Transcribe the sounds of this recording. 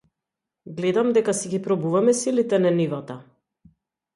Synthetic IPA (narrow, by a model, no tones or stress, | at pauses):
ɡlɛd̪amd̪ɛkasɛɡipɾɔbuvamɛsilit̪ɛnɛnivat̪a